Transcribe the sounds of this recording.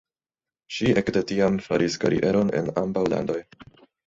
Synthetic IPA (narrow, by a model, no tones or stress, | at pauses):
ʃiʔekdetiamfaɾʔiskaɾḭʔeɾo̞ne̞̰nambawla̰ndo̞j